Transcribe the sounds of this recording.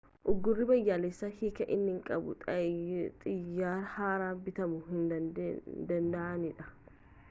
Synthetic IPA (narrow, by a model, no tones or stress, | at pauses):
ʔʊɡːʊrːɪbɐjːaːlesːahiːkɐʔɪnːɪŋkʼɐbʊ̰t̪ʼɐt̪ʼɪjːaːɾhaːɾaːbɪt̪ɐmʊɦɪnd̪ɐd̪ɐnd̪ɐʔɐnɪᶑɐ